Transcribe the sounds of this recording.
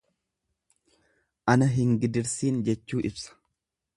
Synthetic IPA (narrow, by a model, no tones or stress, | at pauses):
ʔɐnɐɦɪŋɡɪd̪ɪɾsiːnd͡ʒɛt͡ʃːuːʔɪbsɐ̥